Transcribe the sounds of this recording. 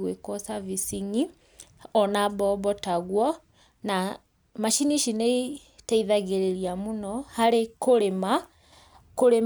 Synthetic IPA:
ɣwekɔsavisiŋi | ɔnabɔβɔtaɣwɔ | na | maʃiniʃine | taiðaɣeɾeɾiamunɔhaɾekoɾema | koɾe

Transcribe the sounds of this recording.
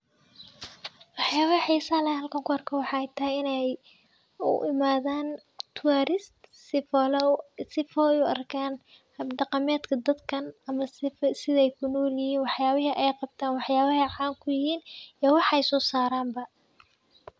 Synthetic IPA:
wɑħjaːβɐɐħiːsɐlɐɦɐlkʰɔŋkɔrkʰɐwɑħɑɛjt̪ʰɐɪnɛj | ʊ̰ʔɪmaːðaːnt̪ʰʊwaːɾɪstslsɪfɔjʊʔɐ̰rkʰaːn | hɐbɖɑqɑmɛːd̪kʰɐd̪ɐd̪kʰɐnɐmɐsɪðɛjkʰʊnɔːljɪhiːnwɑħjaːβɪɦɐʔɛjqɑb̚t̪ʰaːnwɑħjaːβɐɦɐħaːŋkʰʊjɪhiːnɛwɑħɛjsɔːsaːɾaːmbɐ

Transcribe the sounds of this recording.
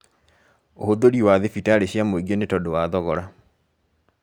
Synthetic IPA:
ohodoɾiwaðefitaɾeɕjamoeɡenetɔdowaðɔɣɔɾa

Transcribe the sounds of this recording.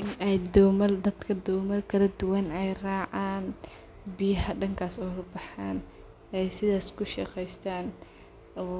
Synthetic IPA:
nɛjd̪ɔwmɐld̪ɐd̪kʰɐd̪ɔwmɐlkʰɐlɐd̪ʊwɐnɛjraːʕaːn | bɪjɐɦɐɖɐŋkʰaːsɔːlɐbɑħaːn | ʔɛjsɪðaːskʰʊʃɑqɛjst̪ʰaːn

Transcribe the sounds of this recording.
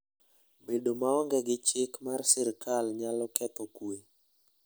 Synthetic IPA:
bedomaɔŋɡɛɡɪt͡ʃɪkmarsɪɾkalɲalɔkɛt̪ɔkwe

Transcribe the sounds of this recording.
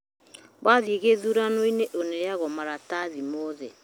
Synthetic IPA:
waðieɣeðuɾanoineʔonɛjaɣɔmaɾataðimɔðɛ

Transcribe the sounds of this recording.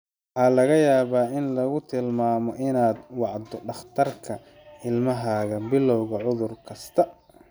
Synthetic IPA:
wwɑħɑːlɐɣɐjaːβaːɪnlɐɣʊt̪ʰɪlmaːmɔʔɪnaːd̪wɑʕd̪ɔɖɑχt̪ʰɐrkʰɐ | ɪlmɐɦaːɣɐbɪlːɔwɣɐʕʊðʊrkʰɐst̪ʰɐ

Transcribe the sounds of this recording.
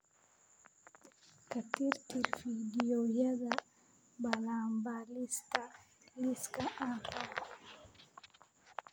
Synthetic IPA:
katiɾtiɾfidiojaða | baɾambalista | liskaʔanta

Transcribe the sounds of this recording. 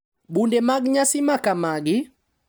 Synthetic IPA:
ɓundɛmaɡiɲasimakamaɡi

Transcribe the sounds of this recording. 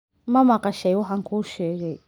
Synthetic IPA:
mɐmɐqɑʃɛjwɑħɑːŋkʰuːʃɛːɣɛj

